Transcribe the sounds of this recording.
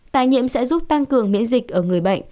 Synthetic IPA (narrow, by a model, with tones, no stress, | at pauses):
t̪aː˨˩jɲḭ˧˨əmsɛ̰˧˥zu˦˥p̚t̪a˧ŋkɨ˨˩əŋmḭ˧˥ənzï˨˩k̚ʔəː˧˩ŋɨ˨˩əjɓə̰˧˨jŋ̟